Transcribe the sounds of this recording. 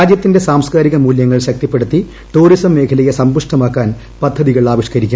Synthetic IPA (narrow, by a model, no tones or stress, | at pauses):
aːd͡ʑjɐt̪ːinde̞saːmskaːɾiɣɐmuːljɐŋːɐɭɕɐk̚t̪ipːe̞ɽut̪ːi | ʈuːrisɐmːe̞ːkʰɐlɐjɐsɐmbuʂʈɐmaːkːaːn | pɐd̪ʱːɐðiɣɐɭɭaːʋiʂkɐɾikʲːum